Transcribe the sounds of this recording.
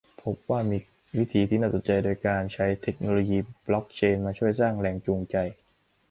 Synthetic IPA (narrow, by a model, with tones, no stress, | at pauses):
pʰo˦˥p̚waː˥˩miː˧ | wi˦˥t̪ʰiː˧t̪ʰiː˥˩naː˥˩so˨˩n̚t͡ɕa˧jdoː˧jkaː˧nt͡ɕʰa˦˥jt̪ʰe˨˩k̚noː˧loː˧jiː˧blɔ˦˥k̚t͡ɕʰeː˧nmaː˧t͡ɕʰu˥˩əjsaː˥˩ŋlɛː˨˩ŋt͡ɕuː˧ŋt͡ɕa˧j